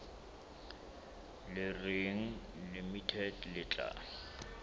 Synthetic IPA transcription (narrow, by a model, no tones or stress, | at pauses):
lɪreŋ̩lɪmitʰɛdlɪt͡ɬʼa̰ː